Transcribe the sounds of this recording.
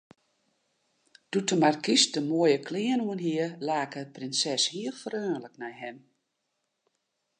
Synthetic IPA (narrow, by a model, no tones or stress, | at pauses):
d̥utəmarkisdəmoəjəkʰlɪənuənɦiəlaːkəprɪnsɛshiəlˠfərøːnləknɛjɦɛm